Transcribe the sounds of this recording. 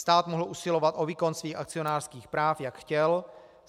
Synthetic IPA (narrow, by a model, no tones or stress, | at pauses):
st̪aːt̪moɦl̩ʔusɪlo̞vat̪ʔo̞viːko̞nsviːxa̰kt͡sɪo̞naːr̥skiːxpɾaːfjakxcɛl